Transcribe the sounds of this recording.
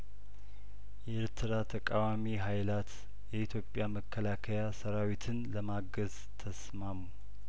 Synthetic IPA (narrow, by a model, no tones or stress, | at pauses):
ʔɛeɾt̪ʰɨɾat̪ʰəkʼawamiɦajlat̪ | jɛit̪ʰjo̞pʼːjaməkʰːəlakʰəjasəɾawit̪ʰɨnləmaɡəz | t̪ʰəsmamu